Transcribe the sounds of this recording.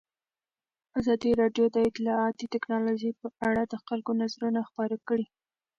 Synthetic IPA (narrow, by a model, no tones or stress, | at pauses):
azɑd̪iɾɑɖjod̪əɪt̪ɪlɑat̪it̪ɪknɑloʒəpəaɽad̪əxalkonazɾunaxpɑɾakɽi